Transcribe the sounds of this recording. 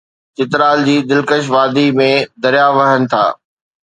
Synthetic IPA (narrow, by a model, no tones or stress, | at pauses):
t͡ɕɪt̪ɾaːld͡ʑiːd̪ɪlkəʃ̬ʋaːd̪imẽd̪ɐɾijaʋɐɦənɪ̆t̪ʰa̰ː